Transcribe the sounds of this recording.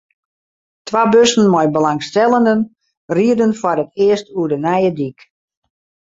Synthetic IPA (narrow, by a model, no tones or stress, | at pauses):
tʋabøsən̩mɔjbəlaŋstɛlˠəndən | riədənfɔrətʰɪəstuədənɛjədik